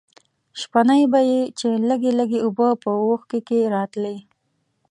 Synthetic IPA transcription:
ʃpanajbajet͡ʃeləɡeləɡeubəpəwoxkekeɾɑt̪le

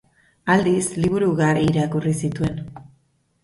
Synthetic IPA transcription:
ald̪isliβ̞uɾuɣariːɾakurisit̪ue̞n

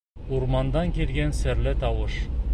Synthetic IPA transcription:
uɾmɑnd̪ɑŋkʲelɡʲensɘ̆ɾlɪt̪ʰɑwəʃ

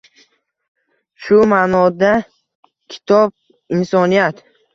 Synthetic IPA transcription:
ʃʊmanɒd̪a | kʲʰɪ̥t̪ʰɒb̚ | insɒnijat̪

